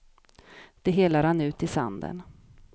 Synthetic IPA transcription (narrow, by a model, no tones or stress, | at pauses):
d̪̥ɛɦeːlaɾhanʉ̟ːt̪ɪsa̰nd̪ə̰n